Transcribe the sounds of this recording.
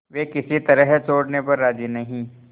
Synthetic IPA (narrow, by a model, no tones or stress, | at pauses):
ʋeːkɪsit̪ɐɾəɦt͡ʃoːɽnepɐɾːaːd͡ʒinɐɦĩː